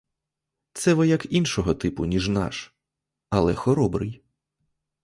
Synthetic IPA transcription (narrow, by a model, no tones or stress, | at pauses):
t̪sɛʋɔjɐkinʃɔɦɔt̪ɪpʊnʲiʒnɑ̰ʃ | ɐlˠɛxɔɾɔbɾɪ̰j